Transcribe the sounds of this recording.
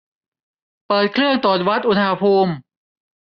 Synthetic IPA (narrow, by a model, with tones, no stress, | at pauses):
pɤː˨˩t̪̚kʰlɯ˥˩əŋt̪ɔː˨˩t̪̚wa˦˥t̪̚ʔu˧t̪ʰa˧a˧pʰuː˧m